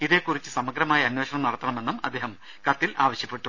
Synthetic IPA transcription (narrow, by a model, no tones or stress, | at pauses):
iðe̞ːkːurit͡ɕːɨsɐmɐɡɾɐmaːjɐɐnweːɕɐɳɐmnɐrɐt̪ːɐɳɐme̞nːumɐd̪ʱːeːɦɐm | kɐt̪ːilʔaːʋɐɕjɐpːe̞ʈːu